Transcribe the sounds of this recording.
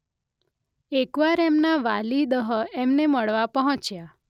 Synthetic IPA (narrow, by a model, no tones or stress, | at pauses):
ekʋaɾemnaʋalid̪əɦəemneməɭʋapəɦɔ̃t͡ʃja